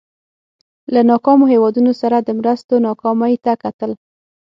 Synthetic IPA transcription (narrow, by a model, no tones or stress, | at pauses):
lanɑkɑmoɦewɑd̪unosaɾad̪əmɾəst̪onɑkɑmajt̪akat̪əl